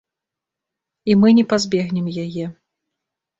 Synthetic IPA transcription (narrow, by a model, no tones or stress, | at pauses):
imɨnʲɛpazʲbʲɛɣnʲɛmjajɛ